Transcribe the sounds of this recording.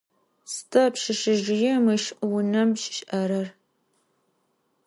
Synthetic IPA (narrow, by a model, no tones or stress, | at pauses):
stʰɐpʃɪʃɪʒɪjɛmɨʃwʊnɐmʒʃʔɐɾɐr